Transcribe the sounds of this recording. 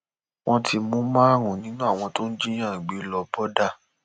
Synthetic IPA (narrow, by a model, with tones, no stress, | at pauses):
w̃ɔ̃˧tʰi˧mũ˨˦mã˦˨ɾ̃ũ˨nĩ˨˦nũ˦a˦˨w̃ɔ̃˧to˦n̩˦d͡ʒi˦j̃ã˦˨ĩ˨ɡ͡be˨˦lɔ˧bɔ˦da˦˨